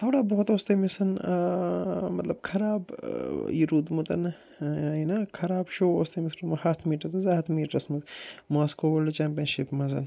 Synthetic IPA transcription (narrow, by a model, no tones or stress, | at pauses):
t̪ʰoːɽaːboɦot̪oːst̪ɐmisɐn | mɐt̪lɐbkʰɐɾaːbjiɾuːd̪mut̪ɐn | inɐkʰɐɾaːbʃoːoːst̪ɐmisʈɐmɐhaːt̪ʰmiːʈɐt̪ɐzaːɐt̪ʰmiːʈɐsmuzmoːskoːʋɐlɐt͡ʃaːmpʲjɐnʃipmɐzɐn